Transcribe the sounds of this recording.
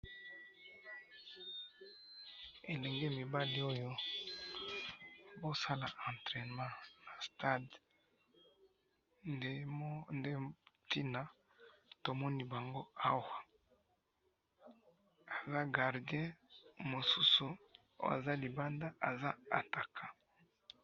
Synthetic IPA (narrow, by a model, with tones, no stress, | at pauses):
e˨lɛ˨ŋɡɛ˦mi˨ba˦li˦o˦jo˦ | bo˦sa˦la˨ʔã˨ntʁɛ˨nmã˦na˨sta˦d | nde˦ti˦na˦ | to˨mɔ˦ni˦ba˨ŋɡo˦a˦wa˨ | a˨za˦ɡa˨ʁdi˨˦ɛ̃˦mo˨su˦sṵ˨˦ | a̰˨za˦li˨ba˦nda˦ʔa˨za˦a̰˨ta˨kʰa˨